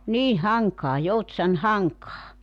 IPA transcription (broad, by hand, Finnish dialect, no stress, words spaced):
niːn̞ hɑŋkɑː joutsɑn hɑŋkɑː